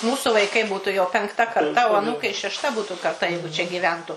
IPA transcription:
ˈmuːsʊ ʋɐɪˈkɐɪ ˈbuːtʊ jɛʊ pʲɛŋkˈtɐ kɐrˈtɐ oː ɐˈnuːkɐɪ ʃʲɛʃˈtɐ ˈbuːtʊ kɐrˈtɐ jɛɪɡʊ t͡ʃʲɛ ˈɡʲiːʋʲɛntʊ

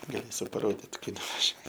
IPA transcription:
ɡɐˈlʲeːsʲʊ pɐˈroːdʲɪt ˈkɐɪ nʊʋɐˈʒʲuɔ

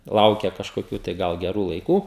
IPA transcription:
ˈlˠɐʊkʲɛ kɐʃkoːˈkʲuː tɐɪ ˈɡɐlˠ ɡʲɛˈruː lˠɐɪˈkuː

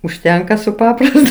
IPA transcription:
ʊʃʲˈtʲɛŋkɐ sʊ ˈpɑːprɐstʊ

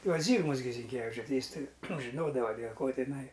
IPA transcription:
ˈjuɔs ˈzʲiːɡmɐs ɡʲɪ zʲɪŋʲˈkʲæːʋʲɪt͡ʃʲʊ ˈtɐɪ ˈjɪs ˈtɐɪ nʊ ˈʒʲɪnoːdɐʋɐ dʲeːlˠ koː tʲɪˈnɐɪ

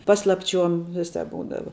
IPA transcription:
ˈpɑːslˠɐpʲˌt͡ʃʲuɔm ˈʋʲɪˌsɑːp ˈbuːdɐʋɐ

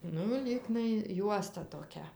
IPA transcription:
ˈnʊ ˈlʲiːɡnɐɪ ˈjuɔstɐ toːˈkʲɛ

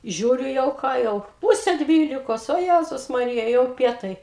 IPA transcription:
ˈʒʲuːrʲʊ jɛʊ ˈkɑː jɛʊ ˈpuːsʲɛ ˈdʲʋʲiːlʲɪkoːs oː ˈjæzʊs mɐˈrʲɪjɛ jɛʊ ˈpʲiɛtɐɪ

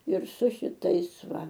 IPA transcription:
ɪr sʊ ʃʲɪˈtɐɪs ˈʋɐ

